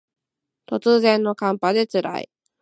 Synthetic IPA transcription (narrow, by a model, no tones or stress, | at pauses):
t̪o̞t͡sɨːzẽ̞nːo̞kãmpad̪e̞t͡sɨɾa̰ḭ